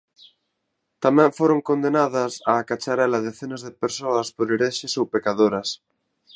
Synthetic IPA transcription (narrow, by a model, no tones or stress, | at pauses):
t̪amɛ̃ɱfoɾoŋkond̪enaðɐsaːkat͡ʃaɾɛlɐðeθenɐzðepeɾsoɐspoɾeɾeʃɪsowpekaðoɾɐs